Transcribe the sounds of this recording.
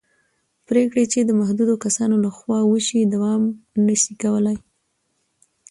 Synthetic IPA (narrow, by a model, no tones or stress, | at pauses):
pɾekɽet͡ʃed̪əmahd̪ud̪okasɑnolaxwɑwəʃid̪awɑmnəʃikawəlaj